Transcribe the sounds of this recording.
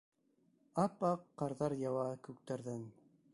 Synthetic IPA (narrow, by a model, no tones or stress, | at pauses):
ɑpɑqːɑɾðɑɾjɑwɑkʉk̚t̪æɾðæn